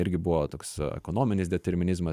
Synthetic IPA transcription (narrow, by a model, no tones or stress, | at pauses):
ɪɾʲɡʲɪbʊʋoːt̪oːksɛ̰koːnoːmʲɪnʲɪsd̪ʲɛt̪ʲɛɾʲmʲɪnʲɪzmɐ